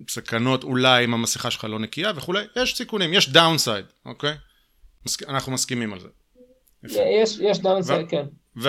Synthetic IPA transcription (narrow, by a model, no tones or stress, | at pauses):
sakano̞tulajimamasiχaʃelχalo̞nekiave̞χulejjeʃsikunimjeʃdawnsajd̪ʔokej | maskianaχnumaskimimalzḛ | jafjɛʃjeʃd̪awnsvaken | ve